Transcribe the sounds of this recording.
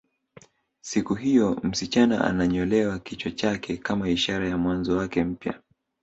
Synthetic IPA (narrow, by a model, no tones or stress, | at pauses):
sikuɦijɔm̩sit͡ʃana̰ʔa̰naɲɔlɛwakit͡ʃɔt͡ʃakʰɛkamaiʃaɾajamwanzɔwakɛm̩pja̰